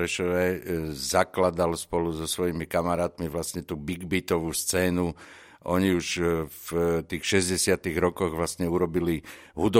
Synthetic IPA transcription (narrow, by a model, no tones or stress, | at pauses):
ɛʃɔʋɛzaklad̪alspɔluzɔsʋɔjimikamaɾaːt̪miʋlasɲɛt̪uːbiɡbit̪ɔʋuːst͡sɛːnu | ʔɔɲiuʃft̪iːxʃɛzɟɛsɪat̪iɣɾɔkɔɣʋlasɲɛuɾɔbili | ɦud̪ɔ